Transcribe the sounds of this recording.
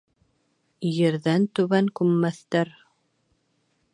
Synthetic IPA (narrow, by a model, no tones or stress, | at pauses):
jɘ̆ɾðænt̪ʉβæŋkʉmːæθt̪æɾ